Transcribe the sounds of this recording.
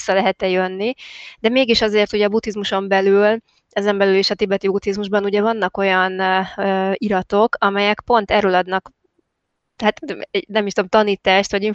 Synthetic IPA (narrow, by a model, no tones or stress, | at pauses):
sːɒlɛɦɛt̪ɛjønːid̪̥ɛmeːɡiʃɒzeːrt̪huɟɛɒbut̪ːizmuʃo̞mbɛlyl | ɛzɛmbɛlyleːʃɒt̪ibɛt̪ibut̪izmuʒbɒnuɟɛvɒnːɒko̞jɒnː | iɾɒt̪o̞kɒmɛjɛkpo̞n̪t̪ɛrøːlɒd̪nɒk | hat̪ɛnɛmːiʃt̪omt̪ɒniːt̪aːʃt̪ʋɒɟiɱ